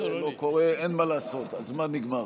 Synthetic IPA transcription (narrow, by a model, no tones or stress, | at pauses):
loko̞ʁeenmalaːso̞t̪azmaniɡmaʁ